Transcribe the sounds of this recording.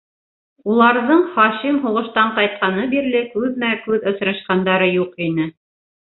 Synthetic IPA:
ulˠɑɾðɤɴχɑʃimɦuʁɤ̆ʃt̪ɑɴqɑjt̪̚qɑnɤbiɾlɘkʉðmækʉðŏsɾɑ̆ʃqɑnd̪ɑɾɤjuqinɘ

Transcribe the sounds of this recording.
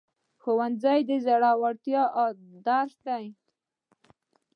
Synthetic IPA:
xowanzajd̪əzaɽawaɾt̪jɑd̪aɾsd̪aj

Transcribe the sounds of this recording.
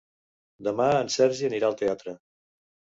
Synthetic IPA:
d̪əmaənsɛɾʒiəniɾaəlˠt̪eat̪ɾə

